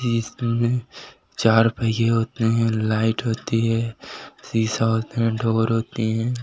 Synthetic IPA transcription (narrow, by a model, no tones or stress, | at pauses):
iːsmẽ | t͡ʃaːɾpɛɡeɦoːt̪eɦɛ̃ːlaːɪʈɦoːt̪iɦɛːsiːsaɦoːt̪eɦɛ̃ɖʱoːɾɦoːt̪iɦɛ̃ː